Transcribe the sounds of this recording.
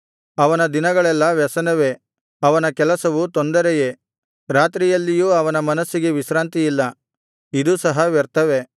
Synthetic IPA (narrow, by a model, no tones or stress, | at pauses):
ɐʋɐnɐd̪inɐɡɐɭɛlːɐʋɛsɐnɐʋe̞ | ɐʋɐnɐkɛlɐsɐʋut̪ond̪ɐɾɛje̞ | ɾaːt̪ɾijɐlːijuːɐʋɐnɐmɐnɐsːiɡeʋisɾaːnt̪ijilːɐ | id̪usɐɦɐʋɛɾt̪ɐʋe̞